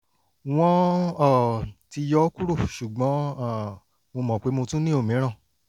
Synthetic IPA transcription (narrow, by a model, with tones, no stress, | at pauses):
w̃ɔ̃˦ɔ˦˨ti˧jɔ˦ku˦ɾo˦˨ʃu˨ɡ͡bɔ̃˨˦a˦˨ | mo˧mɔ̃˨k͡pe˨˦mo˧tũ˦nĩ˦o˦˨mĩ˨˦ɾ̃ã˦˨